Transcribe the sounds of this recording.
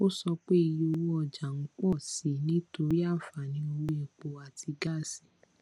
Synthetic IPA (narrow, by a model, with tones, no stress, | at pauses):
o˦sɔ˧k͡pe˦i˧ji˦o˧wo˦ɔ˧˨d͡ʒa˨ŋ̩˦k͡pɔ˦˨si˨˦nĩ˦to˧ɾi˦a˦˨fa˨nĩ˦o˧ɾi˦e˨k͡po˨a˨tʰi˧ɡa˦˨si˨